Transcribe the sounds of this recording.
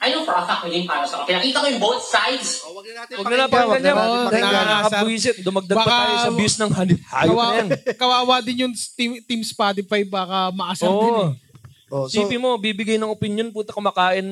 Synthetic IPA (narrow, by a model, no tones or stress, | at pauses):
ʔɐjnʊŋpɾot̪ɐk̚ʊdɪnpaːɾɐsɐkɐkɪnɐkiːt̪ɐkojʊŋbot̪̚sajd̪swɐɡ̪̚ɐnaːɪwɐɡ̚nɐnɐpɐɡɐɲaʔaɐnakɐbɾis̬ɪt̪̚d̪ʊmɐɡ̚d̪ɐbaːkːɐajosɐjʊsnɐŋhɐlɪp̚haːjɐwajankɐwaːwɐd̪ɪnjʊŋt̪it̪imspat̪̬ɪpajbaːkɐmɐʔasɐonːʔ̪ɪɛ | osːpimo̞bibɪɡɐjnɐŋopɪnjonpuːt̪ɐ̥kʊmaːkaːʔɪn